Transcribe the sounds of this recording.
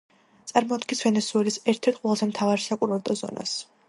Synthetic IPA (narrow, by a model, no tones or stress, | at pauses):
t̪sʼaɾmɔd̪̚ɡisvɛnɛsuɛlisɛɾt̪ʰɛɾt̪̚ʰqʼwɛlˠzɛmt̪ʰavaɾʃakʼuɾvɛɾd̪ʼɔzɔ̰nʔa̰s